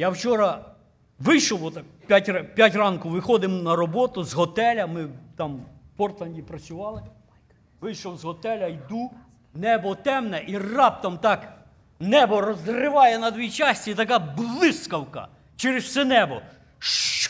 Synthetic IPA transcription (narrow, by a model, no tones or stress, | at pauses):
jawt͡ʃɔɾɐ | ʋɪjʃɔwɔt̪ɑkpʲatʲrpʲjatʲrɑnkʊʋɪxɔd̪ɪmnɐɾɔbɔt̪ʊzɦɔt̪ɛlʲɐmɪt̪ɑmpɔrt̪lˠɐnʲdʲipɾɐt͡sʲsʲʊʋɑlˠɪ | ʋɪjʃɔwzɦɔt̪ɛlʲɐjd̪u | nɛbɔt̪ɛmnɛʔirɑp̚t̪ɐmt̪ɑk | nɛbɔrɔzrɪʋɑjɛnɐd̪ʲʋʲijt͡ʃɑsʲt͡sʲit̪ɐkɑblˠɪskɐwkɐ̰ | t͡ʃɛɾɪswsɛnɛbɔ | ʃ